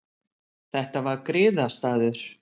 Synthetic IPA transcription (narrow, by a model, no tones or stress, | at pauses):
θɛht̪avaɾkɾɪːðast̪aːðʏɾ̥